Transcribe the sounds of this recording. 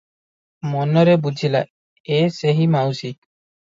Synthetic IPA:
mɔnɔɾɛbud͡ʒʱila̰ | eseɦimawsi

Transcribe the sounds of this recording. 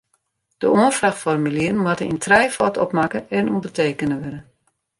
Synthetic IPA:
d̥əoənfraxfɔrmyliən̩mwatənḭntʰrɛjfɔtɔ̰pmakəɛnundərteːkənəʋɪɾə

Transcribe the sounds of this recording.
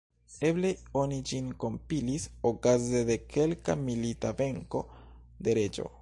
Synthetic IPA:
e̞ble̞onid͡ʒinko̞mpilisokazede̞kʰe̞lkamilitave̞ŋko̞ | de̞ɾe̞d͡ʒo̞̰

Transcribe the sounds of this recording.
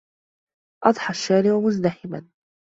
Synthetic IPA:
ʔɑd̪ˤħɑʃːaːɾɪʔʊmʊzd̪aħɪba̰n

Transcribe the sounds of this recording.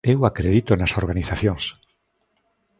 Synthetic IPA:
ewakɾeðit̪onasoɾɣaniθaθjõŋs

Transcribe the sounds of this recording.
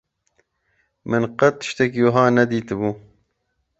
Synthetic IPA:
mɨnqɐt̪ʃt̪ekjoɦɑːnɐd̪iːt̪ɨbuː

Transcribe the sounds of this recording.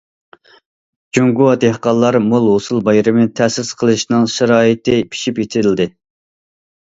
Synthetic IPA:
d͡ʒuŋɡuɑd̪ehqɑlˠːɑɾmolˠɦosulˠbɑjɾɪmɨt̪ʰɛsɪsqʰəlˠɨʃnɨŋʃɛɾɑːjit̪ʰɪpʰi̥ʃipjet̪ʰɪɾɪlʲd̪ɪ

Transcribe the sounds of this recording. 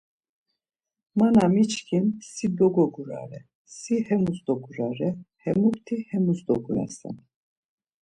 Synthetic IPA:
manamit͡ʃkʰinsid̪ɔɡɔɡuɾa̰ɾɛ | sihɛmusd̪ɔɡuɾaɾɛhɛmukt̪ʰihɛmusd̪ɔɡunɛ̰sɛ̰n

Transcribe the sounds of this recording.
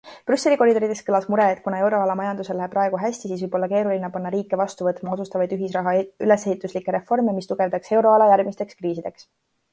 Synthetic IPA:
pɾysːe̞liko̞ɾid̪o̞ɾid̪es̚kɤlɑsmuɾe̞ːt̪̚ˑkunɑewɾo̞ɑlɑmɑjɑnd̪uselːæɦepːrɑe̞ɡ̥uɦæɕʲt̪isiːsvɨjbo̞lːɑke̞ːɾulinepɑnːɑɾiːkːˑe̞vɑst̪uvɤt̪ːˑmɑosust̪ɑvɑjd̪̥yɦisrɑɦɑy̰le̞sehit̪ːˑuslikːeɾe̞fo̞rmemist̪uɡ̥e̞vd̪ɑkse̞wɾo̞ɑlɑjæɾɡ̥mist̪e̞kskriːsid̪̥e̞ks

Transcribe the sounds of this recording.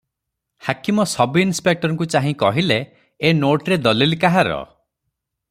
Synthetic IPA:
hakimɔsɔbiːnspek̚ʈɔɾɔŋkut͡ʃaɦĩkɔɦileː | noʈɾed̪ɔlilikaɦaɾɔ̰

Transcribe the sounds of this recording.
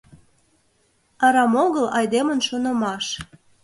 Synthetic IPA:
ɑɾɑmoɣəlɑjd̪emənʃonə̆mɑʃ

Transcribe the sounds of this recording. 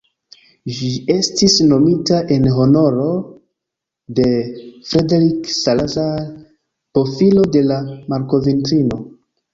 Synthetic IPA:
ʒd͡ʒie̞stisno̞mitaʔe̞nɦo̞no̞ɾo̞ | de̞fɾedeɾiksalaza | po̞filo̞de̞lamaɾko̞vintɾino̞

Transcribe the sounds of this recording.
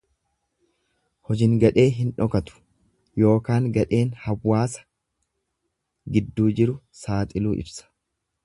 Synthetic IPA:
hɔd͡ʒɪŋɡɐᶑe̞ːɦɪnᶑɔkɐt̪ʊ̥ | jo̞ːkaːŋɡɐᶑe̞ːnhɐwːaːsɐ̥ | ɡɪd̪ːuːd͡ʒɪɾʊsaːt̪ʼɪluːʔɪ̰bsɐ̥

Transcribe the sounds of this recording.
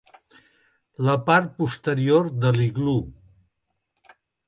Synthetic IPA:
ləpaɾt̪̚pust̪əɾioɾðəliɣlu

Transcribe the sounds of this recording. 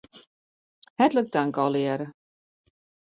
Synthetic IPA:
hɛtlək̚daŋkɔlˠiɛɾə

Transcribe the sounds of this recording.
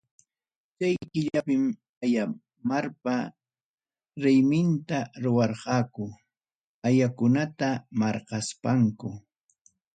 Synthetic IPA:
t͡ʃajkɪʎapɪm | aja | maɾpa | ɾɪjmɪnt̪aɾʊwɑɾqɑːkʊ | ajakʊnat̪amɑɾqɑspaŋkʊ

